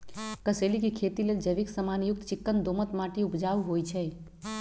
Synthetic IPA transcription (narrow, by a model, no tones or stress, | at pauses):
kəselikikʰet̪ileld͡ʒəʋiksəmanjuk̚t̪t͡ʃikːənd̪omət̪maʈiupd͡ʒauɦojt͡ʃʰɛ